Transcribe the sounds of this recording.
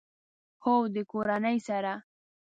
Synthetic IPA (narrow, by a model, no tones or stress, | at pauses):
xowd̪əkoɾanəjsaɾa